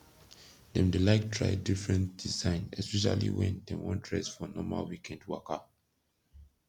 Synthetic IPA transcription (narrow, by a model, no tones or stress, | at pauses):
dɛ̃mdelaɪktʰɹa̰ɪdifɹɛ̃ntd̥izãɪ̃nɛspɛʃ̬a̰lḭwɛ̰̃ndɛ̃mwɔ̃ndɹɛsfɔnɔma̰lwikʰɛ̃ndwaka